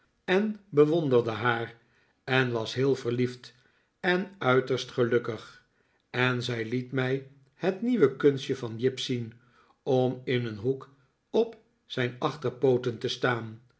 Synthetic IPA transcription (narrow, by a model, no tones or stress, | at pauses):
ɛnbəʋɔndərdəɦaːɹ | ɛnʋɑsɦɪːlˠvərlift | ɛnœɥtəɹstχəlɵkəχ | ɛnzɛjlitmɛj | hətniʋəkɵnsəvɑnjɪpsin | ɔmɪnənɦuk | ɔp | z̥ɛjnɑχtərpowtəntəstaːn